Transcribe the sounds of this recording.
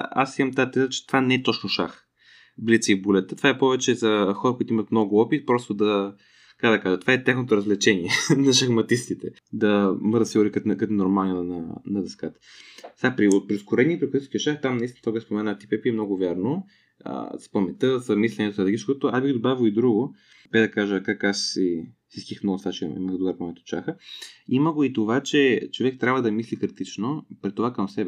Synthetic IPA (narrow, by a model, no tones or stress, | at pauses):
a̰simɐmt̪aat̪ɛzət͡ʃɛ̥t̪ovanɛɛt̪ɔt͡ʃnoʃax | blit̪səibulɛt̪ə̥t̪o̥vaɛpɔvɛt͡ʃɛzɐxɔɾɐkoʊit̪uimɐt̪mnɔɡʊɔpit̪̚pɾɔst̪od̪ɐ | kɐ̥kad̪ɐkaʒət̪ovaɛt̪axnot̪oɾɐzlɛt͡ʃɛniɛnɐʃɐxmɐt̪ist̪it̪ɛ | d̪ɐmɤɾət̪siɡoɾikɐt̪kɐt̪noɾmalnʲnnɐnɐd̪ɐskat̪ə̥sɛɡapɾiot̪̚pɾiskoɾɛniipɾɛksi̥kʲɛt͡ʃaxt̪amnɐist̪int̪aɡɛspomɛnat̪i̥pɛpiɛmnɔɡʊvʲjaɾno | ə̰spɐmɛt̪əzɐmislʲɛnɛt̪osd̪ɡit͡ʃkot̪oasbiɡid̪obavʲoid̪ɾuɡo | bɛd̪ɐkaʒəkakassi | sisk̪ʲixnəlˠsvat͡ʃɛḭməxd̪uɡaɾpomɛt̪o̥t͡ʃaxəiməɡoit̪ovat͡ʃɛt͡ʃovɛk̚t̪ɾʲabvəd̪ɐmislikɾit̪it͡ʃnopɾit̪ovakɐmsɛbɛ